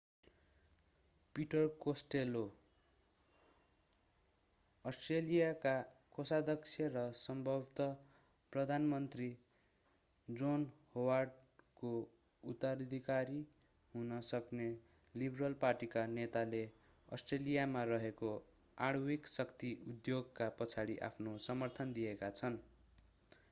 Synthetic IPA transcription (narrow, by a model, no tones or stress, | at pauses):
piʈʌrkosʈelo | ʌsʈrelijakakosad̪ʱʌksʰjʌrʌsʌmbʱʌbt̪ʌ | prʌd̪ʱanmʌnt̪ri | d͡zonhowarɖko | ut̪aɾd̪ʱikaɾi | ɦunʌsʌkne | librʌlparʈikanet̪ale | ʌ̰sʈrelijamarʌɦeko | aɽwiksʌkt̪iud̪joɡkapʌt͡sʰaɽiʔa̰pʰnosʌmʌrt̪ʰʌnd̪ijekat͡sʰʌn